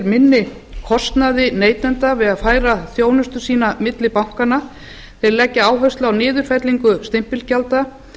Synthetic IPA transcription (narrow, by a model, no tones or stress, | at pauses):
ɾmɪnːɪ | kʰɔst̪naðɪneːjt̪ɛnt̪avɪðaðfaːjɾaθjoːwnʏst̪ʏ̥siːnamɪt̪lɪpawŋ̥kana | θeɾlɛcːɪaːwɦœɥst̪lawnɪːðʏɾ̥fɛt̪liŋkʏst̪ɪm̥pɪlcalt̪a